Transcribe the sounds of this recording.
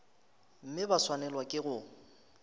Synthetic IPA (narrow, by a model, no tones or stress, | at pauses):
m̩mɪbaswanɛlwakʼɪɣʊ